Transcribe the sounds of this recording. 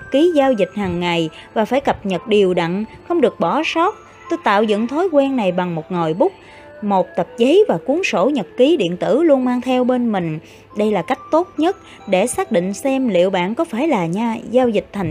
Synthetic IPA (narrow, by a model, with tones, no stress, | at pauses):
ki˨˦zaː˧wzï˨˩k̟̚haː˨˩ŋːa˨˩jvaː˨˩faː˧˩jkə˨˩p̚ɲə˨˩t̚ɗi˨˩əwɗaə̰˧˨ŋxə˧wŋ͡mɗɨ˨˩ək̚ɓɔ˧˩sɔ˦˥t̚ | t̪o˧jt̪a̰ː˧˨wzɨ̰˧˨nt̪ʰo˨˦jkwɛ˧nna˨˩jɓa˨˩ŋmo˨˩t̚ŋo˨˩jɓʊ˦˥k͡p̚ | mo˨˩t̚t̪ə˨˩p̚zə˨˦jvaː˨˩ku˨˦əŋso˧˩ɲə˨˩t̚ki˨˦ɗḭ˧˨ənt̪ɨ̰˧˩lu˧ənmaː˧ŋt̪ʰɛ˧wɓe˧nmï˨˩ŋ̟ | ɗə˧jlaː˨˩ka˦˥jk̟̚t̪o˦˥t̚ɲə˦˥t̚ | ɗe˧˩saː˦˥k̚ɗḭ˧˨ŋ̟sɛ˧mlḭ˧˨əwɓa̰ː˧˨nkɔ˨˦faː˧˩jlaː˨˩ɲaː˧zaː˧wzï˨˩k̟̚t̪ʰa˨˩ŋ